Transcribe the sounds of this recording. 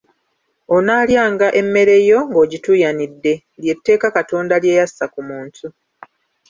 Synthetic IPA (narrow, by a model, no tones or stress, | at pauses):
o̞naːljaːŋɡaʔe̞mːe̞ɾe̞jo̞ŋɡo̞ːɟitujanidːe̞ | lje̞tːe̞ːkakato̞ːndalje̞ːjasakumuːntu